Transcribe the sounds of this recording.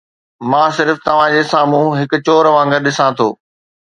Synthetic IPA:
mãːsɪɾft̪ɐʋ̤ãd͡ʑeːsaːmũɦɪkʊ̆t͡ɕoːɾʋãːŋɡəɾɗɪsãt̪ʰo̰ː

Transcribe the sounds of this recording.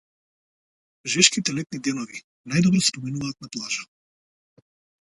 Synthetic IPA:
ʒɛʃkit̪ɛlɛt̪̚nid̪ɛnɔvi | najd̪ɔbɾɔspɔminuvaːt̪̚naplˠaʒa

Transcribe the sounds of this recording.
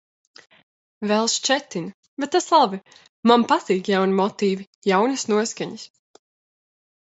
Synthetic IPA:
vɛlˠʃt͡ʃɛt̪in | bɛt̪t̪ːaslˠabi | mampat̪iːkjawnimɔt̪iːvi | jawnɨsnuɔskaɲis

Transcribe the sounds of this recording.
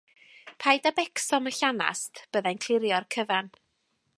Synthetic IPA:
pʰajdabɛksɔməɬana̰stʰb̥əðankʰl̥ˠɪɾjɔrkʰəvan

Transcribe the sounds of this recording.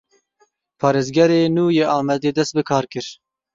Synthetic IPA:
pʰɑːɾeːzɡɛɾeːnuːjeːʔɑːmɛd̪eːd̪ɛst̪̚bɨkʰɑːɾkɨɾ

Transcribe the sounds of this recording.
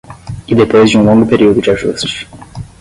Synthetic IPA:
id̪epojzd͡ʒɪũlõŋɡʊpeɾiwd̪ʊd͡ʒɪaʒṵst͡ʃɪ̥

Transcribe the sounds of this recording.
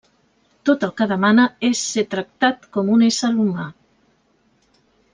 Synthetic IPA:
t̪ot̪alˠkaðamanaesːet̪ɾak̚t̪at̪̚komunesaɾuma

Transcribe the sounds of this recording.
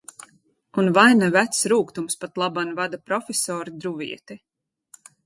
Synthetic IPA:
unvajnavæt̪sɾuːkt̪umspat̪lˠabanvad̪apɾɔfʲɛsɔːɾid̪ɾuvḭɛt̪i

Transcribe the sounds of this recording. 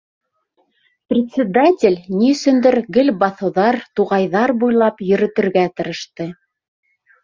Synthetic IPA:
prʲɪt̪ʲsʲɪd̪atʲɪlʲniɵ̆sɵ̆nd̪ɘɾɡɘlʲbɑθɤ̆wðɑɾt̪uʁɑjðɑɾbujlˠɑpjɵ̆ɾɘ̆t̪ɘ̆ɾɡæt̪ɤ̆ɾɤ̆ʃt̪ɤ

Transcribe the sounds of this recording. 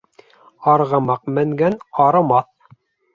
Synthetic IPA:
ɑɾʁɤ̆mɑq̚mɘ̆ŋɡænɑɾɤ̆mɑθ

